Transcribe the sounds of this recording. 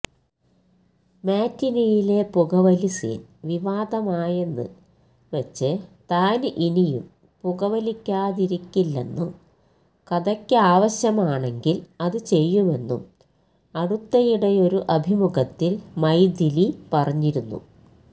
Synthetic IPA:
maːtːinijile̞puɣɐʋɐlisḭnʋiʋaːd̪ɐmaːjenːɨ̰ | ʋet͡ɕːɨt̪aːnʔinijṵm | puɣɐʋɐlikʲːaːðiɾikʲːilːe̞̰nːum | kɐd̪ɐkʲːɨaːʋɐɕjɐmaːɳe̞ŋɡilɐðɨt͡ɕe̞jːume̞nːṵm | ɐɽut̪ːɐjiɽejo̞ɾuʔɐbʱimuɡɐt̪ːilmɐjd̪ilipɐrɐɲːiɾunːṵ

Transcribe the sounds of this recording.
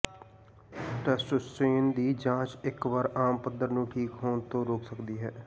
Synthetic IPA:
ʈɛːsʈʊsʈeːnd̪iːd͡ʒãːt͡ʃɪkʋaɾaːmpəd̪əɾnũːʈʰiːkɦoːnt̪õːɾoːksəkd̪iːɦɛː

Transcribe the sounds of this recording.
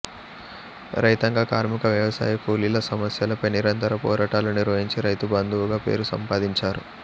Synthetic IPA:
ɾɐjt̪ɐŋɡaːkaːɾmikɐʋjɐʋɐsa̰ːjikʰuːliːlɐsɐmɐsjɐlɐpɐjniɾɐnt̪ɐɾɐpɔːɾaːʈaːluniɾʋɐɦiɲt͡ʃiɾɐjt̪ubɐnd̪ʱuʋuɡaːpe̞̰ːɾusɐ̰mpaːd̪iɲt͡ʃaːɾṵ

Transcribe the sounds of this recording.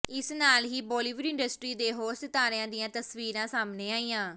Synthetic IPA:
ɪsnaːlɦiːbɔːliːʋəɾɪ̃ɳɖəsʈɾiːd̪eːɦoːɾsɪt̪aːɾjãːd̪ɪjãːt̪əsʋiːɾãːsaːmneːaːiːjãː

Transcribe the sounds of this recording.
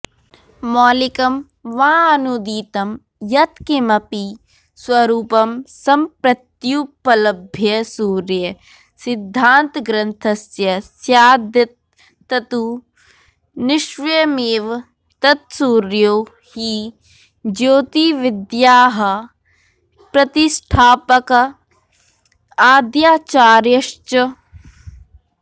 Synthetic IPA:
mɔːlikɐm | ʋaːnud̪iːt̪ɐm | jɐt̪kimɐpi | swɐɾuːpɐmsɐmpɾɐt̪juːpɐlɐbʱjɐsuːɾjɐ | sɪd̪ʱːaːnt̪ɡɾɐnt̪ʰɐsjɐsjaːd̪jɐt̪̚ː | ɐt̪u | nɪʃʋɐjɐmeːʋ | t̪ɐt̪̚suːɾjoː | hi | d͡ʒoːt̪iʋɪd̪jaːɦɐ̆ | pɾɐt̪isʈʰaːpɐk | aːd̪jaːt͡ʃaːɾjɐʃt͡ʃɐ

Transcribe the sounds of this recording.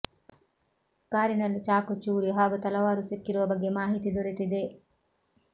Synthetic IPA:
kaːɾinɐlːit͡ʃaːkut͡ʃːuːɾiɦaːɡut̪ɐlɐʋaːɾusekːiɾuʋɐbɐɡemaːɦit̪id̪oɾet̪id̪eː

